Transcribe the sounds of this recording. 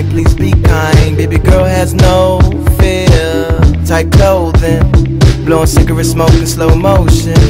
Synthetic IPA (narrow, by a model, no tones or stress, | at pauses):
ɪpʰlizbikʰãɪ̃nbeɪbiɡɜ˞lˠɨznoʊ | fɪ | tʰaɪp̚kʰl̥oʊlðɪ̃nb̥lɔ̃ʊ̃nsɪ̃ŋɡəvəsmoʊkɨ̃nsloʊəmoʊʃɨ̃n